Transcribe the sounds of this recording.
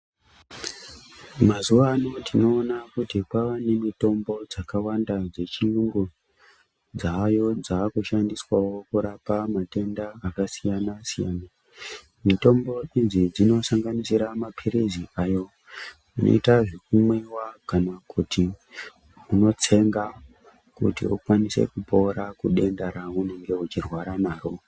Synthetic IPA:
mazuʋaːno̞tino̞ːnakutipaʋane̞mito̞mbo̞d͡zakawandad͡ze̞t͡ʃiuŋɡu | d͡zajo̞d͡zaːkuʃandiswawo̞kuɾapamate̞ndaːkasijanasija̰ːna | mito̞mbo̞inzid͡zino̞saŋɡanisiɾamapʰeɾeziajo̞ | uno̰itaʐekumwe̞wakanakuti | uno̞t͡se̞ŋɡa | kṵtḭṵkwanise̞̰kupo̞ɾakuɗe̞ndaɾaune̞ŋɡe̞ut͡ʃirwaɾamaːɾo

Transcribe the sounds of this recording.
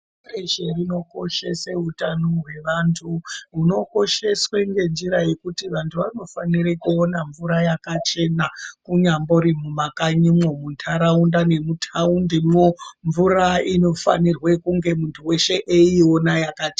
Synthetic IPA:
eʃerino̞ko̞ʃe̞seutanoɦwe̞ʋaːntʰuuno̞ko̞ʃe̞sweŋɡe̞nd͡ʒiɾaje̞kutiʋantʰuʋano̞faniɾekuonaɱvuɾajakat͡ʃe̞nakuɲambo̞ɾimumakaɲimomuntʰaɾaundane̞mutʰaundimoɱvuraino̞fa̰nirwe̞kuŋɡe̞muntʰuwe̞ʃe̞ʔeio̞najakat͡ʃe

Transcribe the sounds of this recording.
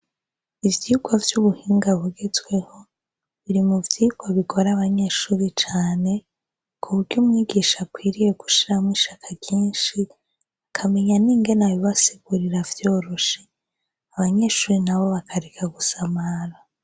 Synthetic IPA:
ivjiuɡovjuβuhiːŋɡahuɡe̞zɡwe̞ho̞ | βiɾimuvjiuɡoβiɡo̞ɾaβaɲe̞ːʃuːɾit͡ʃaːne̞ | kʰuβuɾɟuːmŋiːɡiːʃakwiːɾije̞ɡu̥ʃiɾamwiːʃakʰaɟiːnʃi | akʰame̞ɲaniːŋɡe̞najiβasiɡuɾiɾavjo̞ːɾoʃe | aβaɲe̞ʃuːɾinaβo̞βakʰaɾekʰaɡusamaɾa

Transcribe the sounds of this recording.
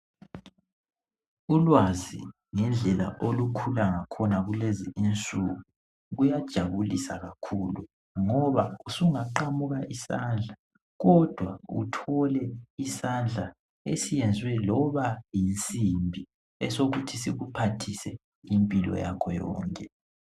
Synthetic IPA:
ulwazi | ŋɛnd͡ɮʱɛla̰ʔolukʰulaŋakʰɔnaɣuleziint͡sʼuɣu | ɣujad̥ʒ̥ʱaβulisaɣakʰuːlu | ŋɔβausuŋaǃamuɣaʔisand͡ɮʱa | ɣɔd̥ʱwaṵtʰɔlɛisand͡ɮʱa | esijɛnd͡zʱwɛlɔβajint͡sʼimbʱi | ɛsoɣutʰisiɣupʰatʰisɛ | impʼilɔ̰jakʰɔjɔ̰ːŋkʼɛ

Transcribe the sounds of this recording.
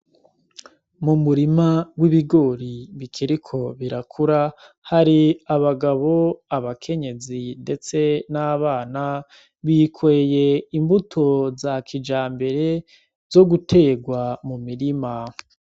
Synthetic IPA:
mumuɾimawiβiɡo̞ːɾiβikʰiɾikʰo̞βiɾakʰuɾa | haɾiaβaɡaβo̞aβakʰe̞ɲe̞zinde̞t͡se̞naβaːna | βikweje̞imbutʰo̞zakʰid͡ʒaːmbe̞ɾe̞ | zo̞ɡutʰe̞ːɡwamumiɾima

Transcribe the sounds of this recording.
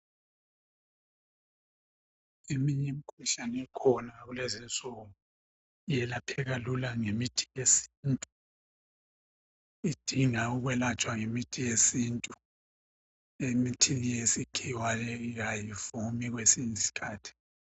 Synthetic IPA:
imiɲɛm̩kʰuɬanɛkʰɔnaɣulezint͡sʼɔŋu | jɛlapʰɛɣalulaŋemitʰi̥jesintʼu | id̥ʱiŋauɣwɛlat͡ʃʼwaŋemitʰijesintʼu | emitʰilijesikʰiwalɛiɣajifumiɣwesiɲisi̥kʰaːtʰi̥

